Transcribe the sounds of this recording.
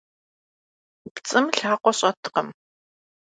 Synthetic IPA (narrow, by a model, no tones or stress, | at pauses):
pt͡sʼɨmɬaːqʷɔɕʼɐtʰqəm